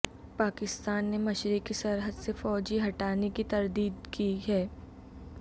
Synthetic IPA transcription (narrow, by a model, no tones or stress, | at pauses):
paːkɪst̪aːnːemɐʃɾɪkisɐɾɦəd̪sefɔːd͡ʒiɦɐʈaːnekit̪ɐɾd̪iːd̪kiɦɛː